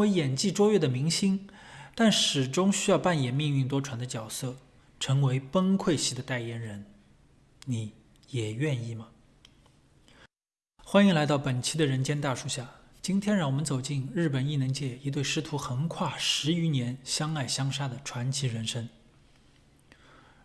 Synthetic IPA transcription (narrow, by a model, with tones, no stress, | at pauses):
wə˧˥jɛ˨˩nt͡ɕi˥˩ʈ͡ʂwɔ˥ɥɛ˥˩d̪ə˩mi˧˥ŋɕi˥ŋt̪a˥˩nʂɻ̩˨˩ʈ͡ʂʊ˥ŋɕy˥jɑ˥˧ʊpa˥˩njɛ˨˩nmi˥˧ŋy˥˩ŋt̪wɔ˥ʈ͡ʂʰwa˧˥nd̪ə˧t͡ɕjɑ˨˩ʊsɤ˥˩ | ʈ͡ʂʰɤ˧˥ŋwe˧˥ɪpə˥ŋkʰwe˥˧ɪɕi˥˩d̪ə˨˩t̪a˥˩ɪjɛ˧˥nɻə˧˥n | ni˧˩˥ | jɛ˨˩ɥɛ˥˧ni˥˩mɐ˩ | xwa˥ni˧˥ŋla˧˥ɪt̪ɑ˥˩ʊpə˨˩nt͡ɕʰi˧˥d̪ə˨ɻə˧˥nt͡ɕjɛ˥nt̪a˥˧ʂu˥ɕja˥˩ | t͡ɕi˥nt̪ʰjɛ˥nɻɑ˥˩ŋwɔ˨˩mə˦nt͡so˨˩ʊt͡ɕi˥˧nɻɻ̩˥˩pə˨˩ni˥˩nə˧˥ŋt͡ɕjɛ˥˩i˧˥t̪we˥˩ɪʂɻ̩˧˥t̪ʰu˧˥xə˧˥nkʰwa˥˩ʂɻ̩˧˥y˧˥njɛ˧˥nɕjɑ˥ŋa˥˩ɪɕjɑ˥ŋʂa˥d̪ə˨ʈ͡ʂʰwa˧˥nt͡ɕʰi˧˥ɻə˧˥nʂə˥ŋ